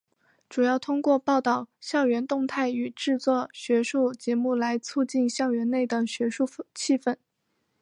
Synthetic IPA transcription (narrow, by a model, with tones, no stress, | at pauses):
ʈ͡ʂu˨˩jɑ˥˩ʊt̪ʰʊ˥ŋkwɔ˥˧pɑ˥˧ʊt̪ɑ˥˩ʊɕjɑ˥˩ʊɥɛ˧˥nt̪ʊ˥˧ŋt̪ʰa˥˩ɪy˨˩ʈ͡ʂɻ̩˥˧t͡swɔ˥˩ɕɥɛ˧˥ʂu˥˩t͡ɕjɛ˧˥mu˥˩la˧˥ɪt͡sʰu˥˧t͡ɕi˥˩nɕjɑ˥˩ʊɥɛ˧˥nne˥˩ɪd̪ə˩ɕɥɛ˧˥ʂu˥˧t͡ɕʰi˥˧fə˥˩n